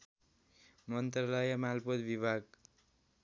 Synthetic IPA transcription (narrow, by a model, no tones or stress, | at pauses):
mʌnt̪rʌlajʌmalpot̪bibʱaɡ